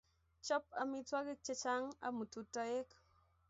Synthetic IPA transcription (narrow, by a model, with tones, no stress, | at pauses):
t͡ʃɔ˦p̚a˧mi˦twa˦ɡi˦k̚t͡ʃe˦t͡ʃa˦ŋa̰˨mu˨tu˨tɔ˧˦je˦k